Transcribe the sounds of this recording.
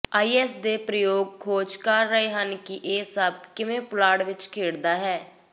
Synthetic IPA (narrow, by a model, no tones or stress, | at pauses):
aːiːɛːsd̪eːpɾəjoːɡ̚kʰoːd͡ʒkəɾːəɦeːɦənkɪʔeːsəb̚kɪʋẽːplaːɽʋɪt͡ʃkʰeːɽd̪aːɦɛː